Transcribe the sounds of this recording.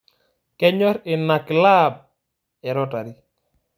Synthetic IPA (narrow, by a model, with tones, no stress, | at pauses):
kɛ˦ɲɔ˦ɾɪ˨na˨kla˦b̚ | ɛ˨ɾɔ˦ta˨ɾi˦